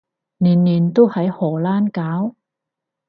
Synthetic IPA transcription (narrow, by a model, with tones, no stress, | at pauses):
niː˨˩nːiː˨˩nt̪o˥whɐ˨˥jhɔː˨˩laː˥nkaː˨˥w